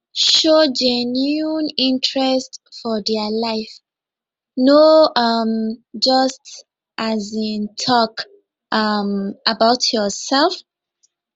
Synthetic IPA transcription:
ʃod͡ʒɛnunĩntʰɹɛstfɔdɛlaɪf | noʌmd͡ʒʌst | ʔazĩntʰɔk | ʔʌmʔabaʊtʰjɔsɛlf

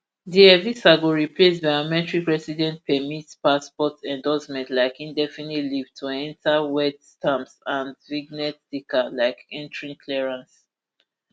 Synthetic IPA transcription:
diɛvisaɡoɹiplesvaɔmɛ̃tɹikɹɛsidɛ̃ntpʰɛmitspaspɔtɛ̃ndɔsmɛ̃ntlaɪkĩndɛfinitliv̥tʰuɛ̃ntʰawɛtstãmsãndviɡnɛtd̥ikalaɪkɛ̃ntʰɹĩŋkʰlɛɹãns

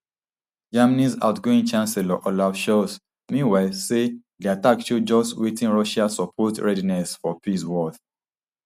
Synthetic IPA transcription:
d͡ʒamanisa̰ʊtɡoĩŋt͡ʃãnsɛlɔ̰ʔɔlafʃɔs | mĩnwaɪsedeatakʃud͡ʒɔstwetĩnɹɔʃasɔpʰɔtɹɛdinɛsfɔpiswɔθ

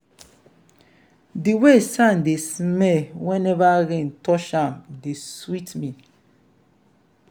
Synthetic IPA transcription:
diwesãndesmɛwɛ̃nɛvaɾẽntɔʃãmdeswitmĩ

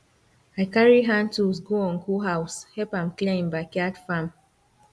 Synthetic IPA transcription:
ajkaɹiɦãntusɡoɔ̃nkuɦawshɛpãmklẽmbakadfãm

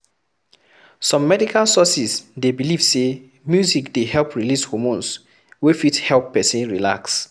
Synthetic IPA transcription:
sɔ̃mːɛdikalsɔsisdebilivse | mjuzikdehɛlpɹilishomõns | wefithɛlˠpːɛsĩnɹila̰ks

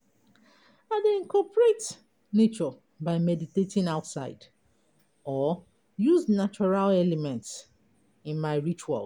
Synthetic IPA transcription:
aðeĩnkʰɔpɹet | net͡ʃɔ | baɪmɛditetĩnaʊtsaɪd | ɔ | juznat͡ʃɔɹalɛlɛmɛ̃nts | ĩnmaɪɹit͡ʃua̰l

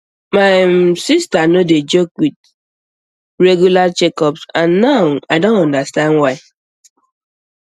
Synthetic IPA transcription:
maɪsistanoded͡ʒokwid̚ | ɹeɡjulat͡ʃɛkɔpsãnːaʊaɪdõntɔ̃ndastãndwaɪ

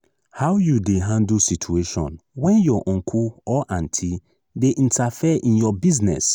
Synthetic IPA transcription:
hawjudeɦãndusitʰueʃɔ̰̃nwɛ̃njɔʔɔ̃ŋkʰuɔʔãntʰi | deʔĩntʰafiʔĩnjɔbiznɛ̰s

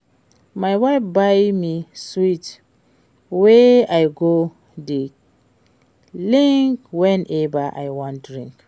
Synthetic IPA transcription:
majwajfbajmiswit | weajɡo | di | lĩŋkwɛ̃nʔɛvaʔa̰jwɔ̃ntdɹĩŋk

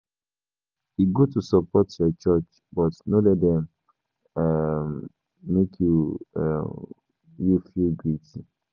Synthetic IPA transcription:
iɡotusɔpɔtjɔt͡ʃɔt͡ʃ | bɔtnolɛtdɛ̃m | mekʰjṵ | jufilɡɾiti

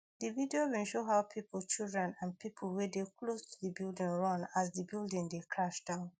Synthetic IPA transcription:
dividiowĩnʃoɦaʊpʰipl̩ˠt͡ʃilˠdɹɛ̃nãnpʰipʰl̩ˠwɛdekʰlostʰu̥ðibilˠdɪ̃ŋɹʌ̃naz̬ðibilˠdɪ̃ŋdekʰɹaʃd̥ãʊ̃n

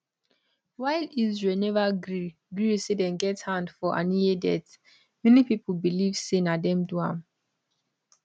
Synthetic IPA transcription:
waɪlizɹɛlnɛvaɡɹi | ɡɹisedɛ̃nɡɛthãndfɔʔa̰niedɛt | mɛnipipəl̩bilivsenadɛ̃mduã̰m

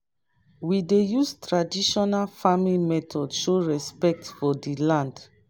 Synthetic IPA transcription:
widejustɹadiʃɔnalfamilmɛtʰɔdʃoɹɛspɛk̚tfɔdilãnd

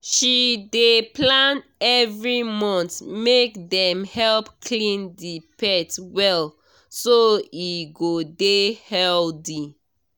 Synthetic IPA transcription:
ʃideplãnɛvɹimɔ̃ntmekdɛ̃mhɛlpkʰlĩndipɛtwɛl | soiɡodehɛldi

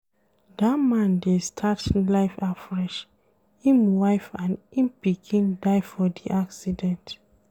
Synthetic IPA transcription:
damãndestʰatĩlaɪfafɹɛʃ | ĩnwaɪfãnĩnpikʰĩndaɪfɔdiʔaksidɛ̃nt

